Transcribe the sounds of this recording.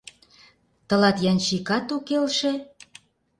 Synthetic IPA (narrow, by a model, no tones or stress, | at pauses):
t̪ɤ̆lɑt̪jɑnt͡ɕikɑt̪ukelʃĕ